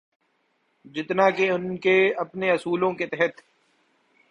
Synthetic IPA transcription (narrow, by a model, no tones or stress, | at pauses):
d͡ʒɪt̪naːkeʊnkeɐpneɐsuːlõket̪ɛɦɛt̪